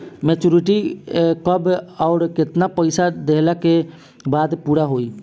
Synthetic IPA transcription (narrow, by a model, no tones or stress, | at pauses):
met͡ʃuɾiʈikəbaʊɾket̪napəjsad̪eɦlake | bad̪puɾaɦoi